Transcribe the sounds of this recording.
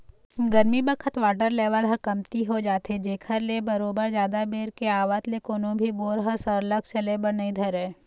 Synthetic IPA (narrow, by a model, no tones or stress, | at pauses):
ɡɐɾmibɐkʰət̪ʋaːʈəɾleːʋəlɦɐkɐmt̪iɦod͡ʒaːt̪ɦed͡ʒeːkʰəɾlebɐɾoːbəɾd͡ʒjaːd̪abeːɾkeaːʋaːt̪lekoːnõbʱiboːɾɦəsəɾləkt͡ʃɐlebənəĩd̪ʱɐɾẽː